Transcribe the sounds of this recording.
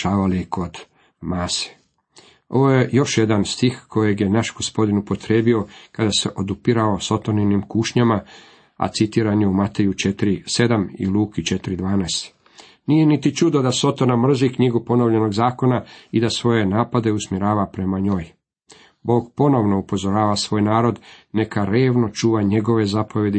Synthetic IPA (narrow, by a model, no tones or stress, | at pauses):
aːʋalikʰo̞d̪ | maːse̥ | o̞ʋojejo̞ʃje̞d̪anst̪ixko̞je̞ɡje̞naʃɡo̞spo̞d̪inupo̞t̪ɾeːbio̞kad̪ase̞ʔo̞d̪upiɾao̞so̞t̪oninimkuːʃɲama | a̰t̪sit̪iːɾaɲeumat̪e̞jut͡ʃe̞t̪ɾise̞d̪amḭluːkit͡ʃe̞t̪ɾid̪ʋaːnast̪ | nije̞nit̪it͡ʃud̪od̪aso̞t̪onamr̩zikɲiɡupo̞noʋʎe̞no̞ɡzaːko̞naid̪asʋo̞je̞naːpad̪e̞usmiɾaːʋapɾe̞maɲo̞ːj | bo̞ːɡpo̞no̞ʋno̞upo̞zo̞ɾaːʋasʋo̞ːjnaːɾo̞d̪ne̞kaɾe̞ːʋno̞t͡ʃuːʋaɲe̞ɡo̞ʋe̞zapo̞ʋje̞d̪i